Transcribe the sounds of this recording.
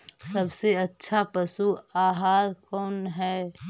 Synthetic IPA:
səbseətːʃʰapəsuaːɦaːɾkɔːnɦɛː

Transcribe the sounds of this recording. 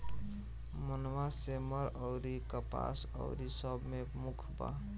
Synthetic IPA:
mənwaseməɾəʊɾikəpa̰s | ə̰ʊɾisəbʱmemukʰba̰

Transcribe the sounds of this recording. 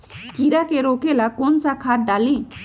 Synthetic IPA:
kiɗakeɾokelakont͡ʃakʰaʈ̚ɖali

